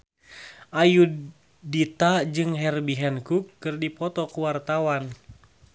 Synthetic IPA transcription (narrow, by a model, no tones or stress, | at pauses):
ʔaju | dit̪ad͡ʒɨŋɦɛrbiɦɛnkukːɨrdipɔt̪ɔkuwart̪awan